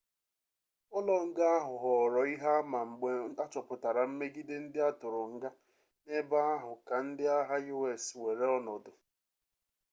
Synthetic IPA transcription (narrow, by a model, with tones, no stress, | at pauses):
ɔ˦lɔ˨ŋ̩˦ɡa˦a˦ɦʊ˨ɦɔ˨ɾɔ˨i˦ɦa˦ma˨ŋ͡m̩˨ɡ͡be˦a˦t͡ʃɔ˨pʊ˨ta˨ɾa˨m̩˦me˦ɡi˦dɪ˦n̩˦dɪ˦a˦tʊ˨ɾʊ˨ŋ̩˦ɡa˦ | ne˦ba˦a˦ɦʊ˨ka˨n̩˦dɪ˦a˦ɦa˦ju˦we˨swe˨ɾe˦ɔ˦nɔ˨dʊ˨